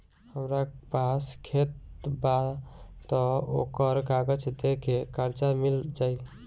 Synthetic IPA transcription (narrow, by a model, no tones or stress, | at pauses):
həmɾapaskʰet̪bat̪ɔo̰kəɾkaɡət͡ʃʰɛd̪ekekəɾd͡ʒamild͡ʒaj